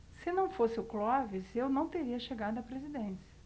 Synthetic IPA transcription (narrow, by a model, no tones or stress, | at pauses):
sɪnɐ̃w̃fosɪʊklɔvɪzewnɐ̃w̃t̪eɾiɐʃeɡaɾd̪ʊɐpɾezid̪ẽsiɐ